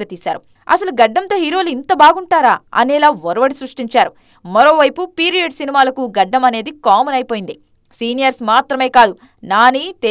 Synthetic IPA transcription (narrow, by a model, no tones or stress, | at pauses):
ɾɐt̪iːsa̰ːɾu | ɐ̰sɐluɡɐɖːɐmt̪o̞ːɦiːɾo̞ːluint̪ɐbaːɡuɳʈaːɾaːɐ̰nɛːlaːʋɔɾɐʋɐɽisɾuʂʈiɲt͡ʃaːɾu | mɐɾo̞ːʋɐjpupiːɾijɐɖsinimaːlɐkuɡɐɖːɐmɐne̞ːd̪ikaːmɐnɐjpoːjind̪i | siːnijɐɾsmaːt̪ɾɐme̞ːkaːd̪u | naːnit̪e